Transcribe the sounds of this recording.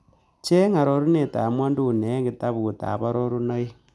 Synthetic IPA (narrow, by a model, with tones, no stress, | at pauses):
t͡ʃe˦ŋa˨ɾo˨ɾu˦ne˨ta˨mwa˦ndu˦˨ne˨˦ŋɡi˨ta˦βu˨ta̰˨βa˦ɾo˦ɾu˦no˦i˦